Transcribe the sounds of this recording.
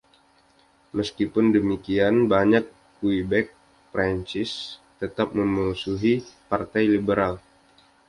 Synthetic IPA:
məskipʊndəmikianbaɲakː | uibɛk̚ | pɾaɲt͡ʃɪst̪ət̪ap̚məmuusuɦipart̪ajlibəɾal

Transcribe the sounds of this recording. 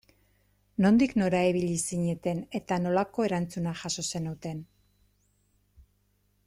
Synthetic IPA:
no̞nd̪ikno̞ɾaeβiʎisiɲe̞t̪e̞ne̞t̪ano̞lako̞e̞ɾant͡sunaxaso̞se̞nut̪e̞n

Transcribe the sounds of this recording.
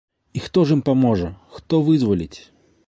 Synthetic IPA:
ixt̪ɔʐimpamɔʐɐxt̪ɔvɨzvɐlʲit͡sʲ

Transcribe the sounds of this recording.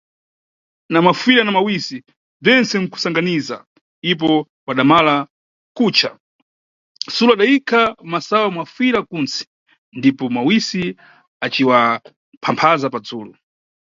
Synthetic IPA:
namafiɾanamawisi | b͡ʐɛnsɛm̩ku̥saŋɡaniza̰ | ip̬ɔ | waɗamala | kut͡ʃʰa | suluaɗaikʰamasawamwafiɾakunsɛ̥ | ndipɔmawisi | at͡ʃiwa | pʰampʰazapad͡zuːlu

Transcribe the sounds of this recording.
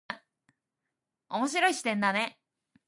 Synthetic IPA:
omo̞ɕ̬iɾo̞iɕi̥t̪ẽ̞nd̪ane̞

